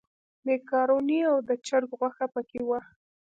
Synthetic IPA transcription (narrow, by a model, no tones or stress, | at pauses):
mekɑɾoniawd̪ət͡ʃaɾɡɣwaxapəkewa